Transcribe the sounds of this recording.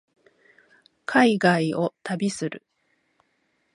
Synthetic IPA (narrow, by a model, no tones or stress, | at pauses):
kʰaiɡaio̞t̪abʲisɨɾɯ̟̰